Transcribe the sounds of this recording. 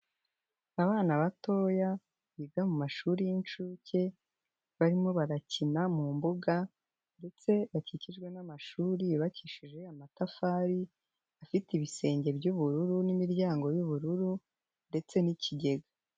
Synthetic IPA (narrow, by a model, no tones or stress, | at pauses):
aβaːnaβato̞ːja | βiːɡamumaʃuːɾijint͡ʃuːce̞ | βaɾimo̞βaɾacinamumbuɡa | nde̞t͡se̞βaciciʒɡwe̞namaʃuːɾiβaciːʃiʒɡwe̞amatafaːɾi | afitiβise̞ːɲɟe̞bɟuβuɾuɾunimiɾɟaːŋɡo̞juβuɾuɾu | nde̞t͡se̞nicʰiɟe̞ɡa